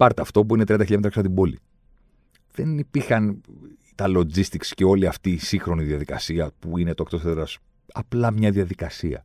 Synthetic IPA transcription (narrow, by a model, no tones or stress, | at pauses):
pɐɾt̪ɐɐft̪o̞p̬uinet̪ɾiɐnd̪ɐçiʎɐmet̪ɾɐksɐnt̪ibo̞lḭ | ðe̞nipiɾxɐn | t̪ɐlo̞d͡zist̪iksceo̞liɐft̪iːsiŋxɾo̞niðiɐðikɐsiɐpuine̞t̪oek̚t̪oseɾɐs | ɐplɐmɲɐðiɐðikɐsiɐ̰